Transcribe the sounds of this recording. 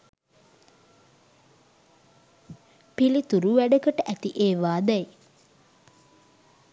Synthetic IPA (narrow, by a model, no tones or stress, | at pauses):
pilit̪uɾuʋæɖəkəʈəʔæt̪iʔeːʋaːd̪ɛj